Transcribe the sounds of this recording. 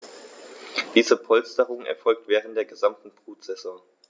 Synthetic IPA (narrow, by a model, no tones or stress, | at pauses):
d̥iːzəpʰɔlstəʁʊŋɛ̰ɐfɔlk̚tv̥ɛːʁənt̚d̥eːɐɡəzamtn̩b̥ʁ̥uːtz̥ɛzɔ̃ŋ